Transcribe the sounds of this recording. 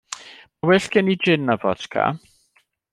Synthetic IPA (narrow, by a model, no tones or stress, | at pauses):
mawɛɬɡ̥ɛnid͡ʒɪnːavɔ̰tkʰa̰